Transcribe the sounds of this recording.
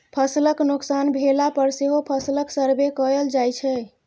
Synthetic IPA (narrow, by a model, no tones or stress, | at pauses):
pʰəsləknuksanbʱelapəɾseɦopʰəsləksəɾbekəəld͡ʒajt͡ʃʰɛ